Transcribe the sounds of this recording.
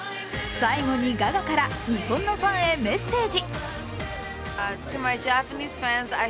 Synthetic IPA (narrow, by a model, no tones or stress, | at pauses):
saiɡo̞ɲ̟iɡaɡakaɾaɲ̟ihõ̞nːo̞ɸãɰ̃e̞me̞st̪e̞ːd͡ʑi | tʰɨmaɪd͡ʒæpaniːz̥fæ̃nza̰ɪ